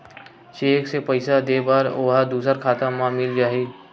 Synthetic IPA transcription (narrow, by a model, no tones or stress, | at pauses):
t͡ʃeːksepəɪsad̪eːbaːɾoːɦad̪uːsəɾkʰaːt̪amãmɪld͡ʒaːɦiː